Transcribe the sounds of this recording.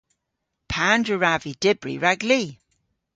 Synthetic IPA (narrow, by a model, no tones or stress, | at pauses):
pʰandɹəɹavid̥ɪbɹḭɹaɡli